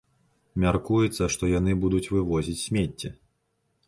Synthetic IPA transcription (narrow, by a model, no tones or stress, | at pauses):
mʲarkujɛt̪sːɐʂt̪ɔjanɨbud̪ut͡sʲvɨvɔzʲit͡sʲsʲmʲet͡sʲːɛ